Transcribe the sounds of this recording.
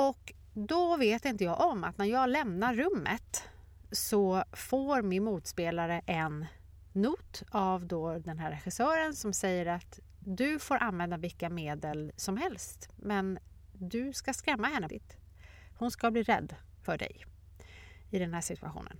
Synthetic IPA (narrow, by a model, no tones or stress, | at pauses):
ɔk | d̪ɔveːt̪ɪnt̪əjɑːɡʔɔmːa̰t̪næɾjɑːɡlɛmnaːɵmːə̰t̪ | sɔfoːɾmɪnmuːt̪speːlaɾəʔɛnː | uːt̪avd̪oːd̪ɛnɦæːɾːɛɧɪsœːɾənsɔmsɛjːəɾat̪ | d̪ɵfoːɾʔanvɛnd̪avɪlkːameːd̪əlsɔmɦɛlst̪mɛn | d̪ɵskaskɾɛmːahɛnːəɪt̪ | hʊnskabliːɾɛ̰d̪ː | fœɖɛ̰j | ɪd̪ɛnɦæːʂɪt̪ʰɵa̰ɧṵːnə̰n